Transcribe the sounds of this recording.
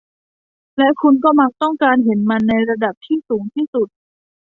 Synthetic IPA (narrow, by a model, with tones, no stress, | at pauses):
lɛ˦˥kʰu˧nkɔː˥˩ma˦˥k̚t̪ɔ˥˩ŋkaː˧nɦe˩˦nma˧nːa˧jɾa˧da˨˩p̚t̪ʰiː˥˩suː˩˦ŋt̪ʰiː˥˩su˨˩t̪̚